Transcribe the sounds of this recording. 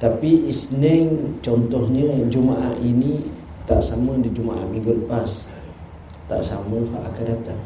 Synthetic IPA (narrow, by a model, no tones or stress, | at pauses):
t̪apiisnəŋt͡ʃɔnt̪ɔhɲəd͡ʒumaʔa̰ʔini | t̪a̰ʔsamədid͡ʒumaʔa̰ʔmiŋɡələpas | t̪a̰ʔsaməhaʔakadat̪a